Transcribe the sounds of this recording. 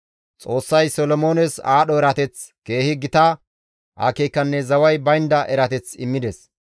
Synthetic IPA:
t͡sʼo̞ːsːɐjsɔlɔmo̞ːnɛsaːɗɔɛɾɐt̪ɛt͡ske̞ːhɪɡɪt̪a | ʔa̰ːkeːkːɐnːɛzɐwɐjbɐjnd̪ɐʔɛɾɐt̪ɛt͡sɪmːɪd̪ɛs

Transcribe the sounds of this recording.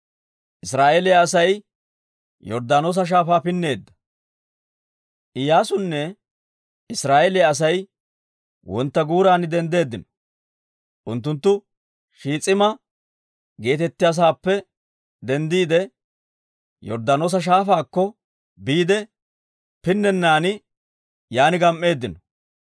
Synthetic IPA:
ʔɪsɾaːʔelɪjaːs̬ɐj | jɔɾd̪aːnoːs̬ɐʃ̬aːfaːpɪnːe̞ːd̪ːɐ̥ | ʔɪjaːsʊnːɛ | ɪsɾaːʔelɪjaɐs̬ɐj | wɔnt̪ːɐɡuːɾaːnɪd̪ɛnd̪e̞ːd̪ːɪnɔ | ʔʊnt̪̬ːʊnt̪ːʊ | ʃiːt͡sʼɪmɐ | ɡe̞ːt̪ɛt̪ːɪjas̬aːpːɛ | d̪ɛnd̪iːd̪ɛ | jɔ̰ɾd̪ɐnoːs̬ɐʃ̬aːfaːkːɔ | biːd̪ɛ | pɪnːɛnːaːnɪ | jaːnɪɡɐmʔːe̞ːd̪ːɪnɔ̥

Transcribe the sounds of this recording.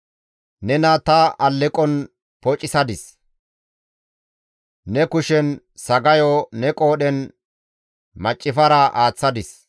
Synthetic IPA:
nɛnɐt̪ɐɐlːɛkʼɔn | pɔt͡ʃʼːɪsɐd̪ɪs | nɛkʊʃɛn | sɐɡɐjɔnɛkʼo̞ːɗɛn | mɐt͡ʃʼːɪfɐɾɐʔaːt͡sːɐd̪ɪs

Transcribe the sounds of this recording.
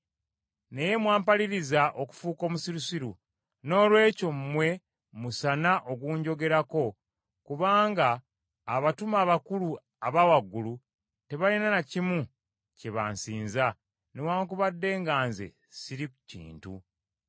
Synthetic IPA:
ne̞je̞mwaːmpaliɾizaʔo̞ku̥fuːko̞ːmusiɾusiɾu | no̞ːlwe̞ːco̞mmwe̞ | musanaʔo̞ɡuːɲɟo̞ɡe̞ɾako̞ | kuβaːŋɡaː | βatumaːβakulu | aβawaɡːulu | te̞βalinanacimu | ceβa̰ːnsiːnza | newaːŋkuβadːe̞ːŋɡaːnzḛ | siɾikucḭːntṵ

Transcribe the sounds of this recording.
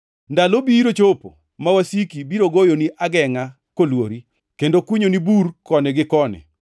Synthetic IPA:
ndalobiɾot͡ʃopo̰ | mawasikibiɾoɡojoniʔaɡɛŋa | kolwoɾi | kendokwuɲoniburkɔnɛɡɪkɔnɛ̰

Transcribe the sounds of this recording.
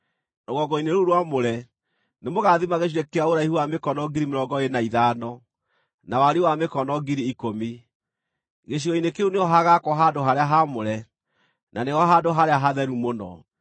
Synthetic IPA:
noɣɔɡɔineɾuɾwamoɾɛ | nemoɣaðimaɣeʃ̬iɾɛkeaoɾaihuwamekɔnɔɡiɾimeɾɔɡɔenaiðaːnɔ | nawaɾewamekɔnɔɡiɾiːkomi | ɣeɕ̬iɣɔinekeuneɔɦaɣakwɔɦandoɦaɾeaɦamoɾɛ | naneɣɔɦandoɦaɾeaɦaðɛɾumonɔ̰

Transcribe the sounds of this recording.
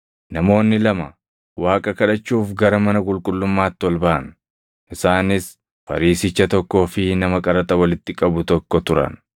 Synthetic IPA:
nɐmo̞ːnːɪlɐmɐ | waːkʼɐkɐᶑɐt͡ʃːuːfɡɐɾɐmɐnɐkʼʊlkʼʊlːʊmːaːt̪ːɪwɔlbɐʔɐn | ʔɪsaːnɪs | fɐ̰ɾiːsɪt͡ʃːɐt̪ɔkːo̞ːfɪnɐmɐkʼɐɾɐt̪ʼɐwɐlɪt̪ːɪkʼɐbʊt̪ɔkːɔt̪ʊɾɐ̰n

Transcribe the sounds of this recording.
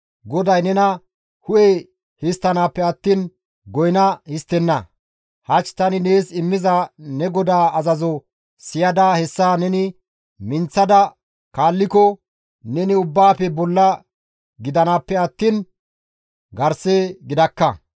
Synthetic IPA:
ɡɔd̪ɐjnɛnɐ | hʊʔe | hɪst̪ːɐnaːpːɛɐt̪ːiːn | ɡɔjnɐhɪst̪ːɛnːɐ | hɐt͡ʃːt̪ɐnɪne̞ːsɪmːɪzɐnɛɡɔd̪aːɐzɐzɔ | sɪjɐd̪ahɛsːaːnɛnɪ | mɪnt͡sːɐd̪ɐ | kaːlːɪkɔ | nɛnɪʊbːaːpɛbɔlːɐ | ɡɪd̪ɐnaːpːɛɐt̪ːiːn | ɡɐɾseːɡɪd̪ɐkːɐ

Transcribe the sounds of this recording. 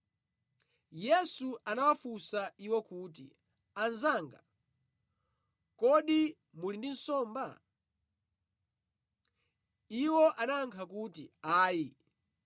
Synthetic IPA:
jɛsuʔanawafusaiwɛkuːt̬ḭ | anzaːŋɡa | kɔɗi | mulindin̩sɔːmba | iwɔʔanaːŋkʰakutiaːji

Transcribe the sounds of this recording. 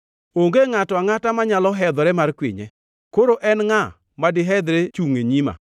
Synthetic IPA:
oŋɡeŋatɔaŋatamaɲalɔɦɛd̪ɔɾɛmarkwɪ̰ɲɛ̰ | koɾoʔɛnŋa | madɪɦɛd̪ɾet͡ʃuŋeɲima̰

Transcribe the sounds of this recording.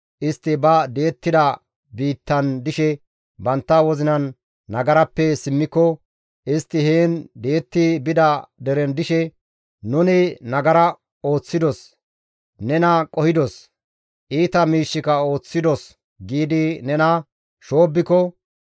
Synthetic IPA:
ʔɪst̪ːɪbɐd̪eːt̪ːɪd̪ɐ | biːt̪ːɐnd̪ɪʃɛ | bɐnt̪ːɐwɔzɪnɐnː | ɐɡɐɾɐpːɛsɪmːɪkːɔ | ʔɪst̪ːɪheːnd̪e̞ːt̪ːɪbɪd̪ɐd̪ɛɾɛnd̪ɪʃɛ | nʊnɛnɐɡɐɾɐ | o̞ːt͡sːɪd̪ɔs | nɛnɐkʼɔhɪd̪ɔs | ʔiːt̪ɐmiːʃːɪkɐo̞ːt͡sːɪd̪ɔs | ɡiːd̪ɪnɛnɐ | ʃo̞ːbːɪkɔ

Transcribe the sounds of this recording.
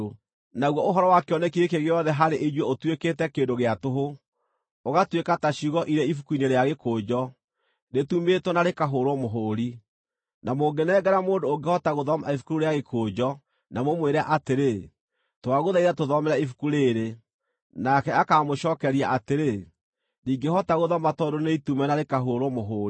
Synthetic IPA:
naɣwɔoɦɔɾɔwakeɔnɛkiekeɣeɔðɛɦaɾeʔed͡ʒwɛotwekeːtɛkeːndoɣeatoɦo | oɣatwekataɕuɣɔʔiɾɛifukuineɾeaɣekoːd͡ʒɔ | netumetɔnaɾekaɦoːɾwɔmoɦoːɾi | namoːɡenɛːɡɛɾamoːndoːɡehɔtaɣoðɔmaifu̥kuɾuɾeaɣekʰoːd͡ʒɔ | namomweɾɛaʔateɾe | twaɣoðaiðatoðɔmɛɾɛifu̥kuɾeɾe | nakɛakamoʃɔːkɛɾiaʔateɾe | niːŋɡehɔtaɣoðɔmatɔdoneitumɛnaɾekaɦoːɾɔmoɦoːɾi

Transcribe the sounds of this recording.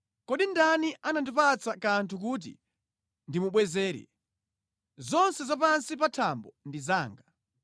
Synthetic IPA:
kɔɗindaniʔanandipat͡sakantʰuk̬ut̬ḭ | ndimuɓwɛzɛːɾɛ̰ | zɔnsɛzap̬ansipatʰambɔndizaːŋɡa

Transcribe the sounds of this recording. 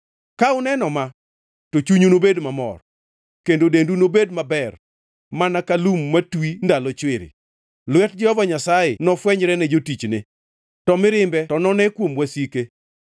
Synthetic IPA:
kaʊnɛnɔma | tot͡ʃuɲonobedmamɔ̰r | kendodendunobedmabɛr | manakalumːatwindalɔt͡ʃwɪɾɪ̰ | lwɛtd͡ʒɛhɔvaɲasajɪnɔfwɛɲɾɛnɛd͡ʒotit͡ʃnɪ | tɔmɪɾɪmbɛtɔnɔnɛkwomwasike

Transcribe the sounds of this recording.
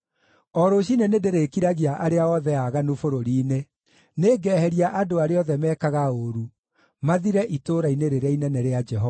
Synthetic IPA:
ɔɾoɕ̬inenedeɾekiɾaɣiaʔaɾeaɔðɛaɣanofoɾoɾiːne | neːɡɛhɛɾiaʔadoaɾeɔðɛmɛːkaɣaoɾu | maðiɾɛʔitoɾaineɾeɾainɛnɛɾead͡ʒɛɦɔa

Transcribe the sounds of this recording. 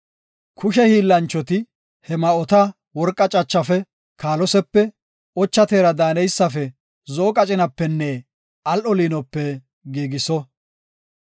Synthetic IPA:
kʰʊʃɛhiːlːɐnt͡ʃːɔt̪ɪ | hɛmɐɔt̪ɐ | wɔɾkʼːɐt͡ʃʼɐt͡ʃːɐfɛ | kʰaːlɔsɛpːɛ | ɔt͡ʃːɐt̪eːɾɐd̪aːnɛjsːɐfɛ | zoːkʼɐt͡ʃʼɪnɐpːɛnːɛ | ɐlʔɔliːnɔpːɛ | ɡiːɡɪsɔ

